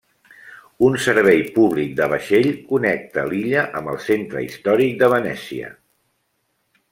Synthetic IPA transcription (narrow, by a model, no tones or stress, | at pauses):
unsəɾβɛjpuβlik̚d̪əβ̞əʃeʎkunɛk̚t̪əliʎəʔəmbəlˠsent̪ɾə̰ḭst̪ɔɾik̚d̪əβənɛsiə̰